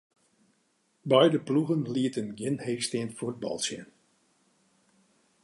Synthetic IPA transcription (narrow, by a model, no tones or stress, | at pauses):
bœjdəpluɣənliətənɡɪnheːxstɪənfurd̚bɔ̰lˠsjə̰n